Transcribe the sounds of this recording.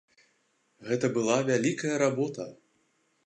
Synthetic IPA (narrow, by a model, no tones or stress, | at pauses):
ɣɛt̪ɐbɨlˠavʲalʲikɐjɐɾabɔt̪ɐ